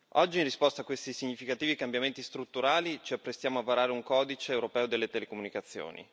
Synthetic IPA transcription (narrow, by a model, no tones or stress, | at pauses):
ɔd͡ʒːinrispɔst̪aːkwest̪isiɲːifikat̪iːvikambjament̪ist̪ɾut̪ːuɾaːlit͡ʃiapːɾest̪jaːmoavaɾaːɾeuŋkɔːd̪it͡ʃeːwɾopɛːod̪elːet̪elekomunikat̪sːjo̰ːnḭ